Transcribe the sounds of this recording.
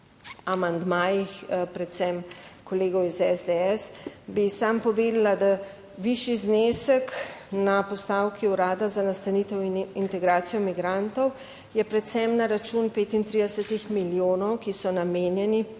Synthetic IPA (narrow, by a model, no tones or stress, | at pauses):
amand̪maːjixpɾɛt̪sɛmkɔleːɡɔwizɛzd̪eɛsbisampɔʋeːd̪lad̪a | ʋiʃiznesəknapɔst̪awkiuɾaːd̪azanast̪aniːt̪ɛwinint̪ɛɡɾaːt̪sijɔmiɡɾant̪ɔw | jɛpɾɛt̪sɛmnaɾat͡ʃunpeːt̪int̪ɾid̪ɛsət̪ixmiljoːnɔwkisɔnameːnjɛni